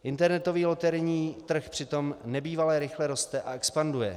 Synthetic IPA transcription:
ʔɪnt̪ɛɾnɛt̪o̞viːlot̪ɛɾɲiːt̪r̩xpr̥ɪt̪o̞mnɛbiːvalɛɾɪxlɛɾo̞st̪ɛʔaɛkspandujɛ̰

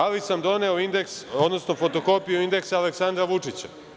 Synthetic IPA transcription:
alisamd̪o̞ne̞oind̪e̞ksod̪no̞sno̞fo̞t̪o̞ko̞pijuind̪e̞ksaːle̞ksand̪ɾaʋut͡ʂit͡ɕa̰

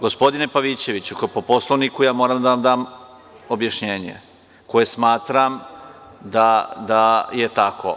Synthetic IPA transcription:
ɡospo̞d̪ine̞paʋit͡ɕe̞ʋit͡ɕukpopo̞slˠoʋnikujaːmoɾamd̪aʋamd̪aːm | o̞bjaʃɲeːɲḛ | ko̞jesmaːt̪ɾam | d̪ad̪ajet̪akʰo̞̰

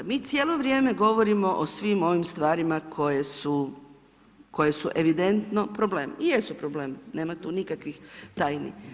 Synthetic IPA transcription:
miːt̪sʲjeːlˠo̞ʋɾjeːme̞ɡo̞ʋo̞ɾimo̞ʔosʋimo̞ʋimst̪ʋaːɾimakʰo̞jesu | ko̞jesuʔe̞ʋid̪ent̪no̞pɾoble̞ːmḭjesupɾobleːmine̞ːmat̪uːnikakʋixt̪aːjnḭ

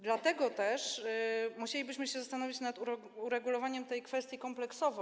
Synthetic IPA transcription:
d̪lat̪ɛɡɔt̪ɛʂmuɕelʲibɘɕmɘɕɛzast̪anɔvʲit͡ɕnat̪u | uɾɛɡulɔvaɲɛmt̪ɛjkfɛst̪ʲjikɔmplɛksɔvɔ

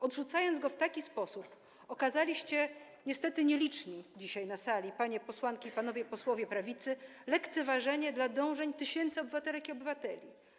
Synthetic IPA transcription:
ɔd̪ʐut̪sajɔnd̪zɡɔft̪akʲispɔsup | ɔkazalʲiɕt͡ɕɛ | ɲɛst̪ɛt̪ɘɲɛlʲit͡ʂɲid͡ʑiɕajnasalʲipaɲɛpɔswankʲiːpanɔvʲjɛpɔswɔvʲjɛpɾavʲit̪sɘ | lɛkt̪sɛvaʐɛɲɛd̪lad̪ɔ̃w̃ʐɛɲt̪ɘɕɛnt̪sɘɔbɘvat̪ɛlɛkʲiɔbɘvat̪ɛlʲi

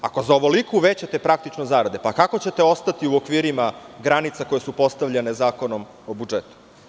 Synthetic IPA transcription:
ako̞zaoʋo̞likuʋeːt͡ɕat̪e̞pɾak̚t̪it͡ʃnozaːɾad̪e̞pakako̞t͡ɕe̞t̪eo̞st̪at̪iuokʋiːɾimaɡɾanit̪sako̞je̞supo̞st̪aʋʎenezaːko̞no̞m | obud͡ʒet̪u̥

